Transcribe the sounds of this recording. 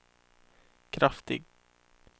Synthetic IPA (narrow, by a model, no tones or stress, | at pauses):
kʰɾaft̪ɪ̰ɡ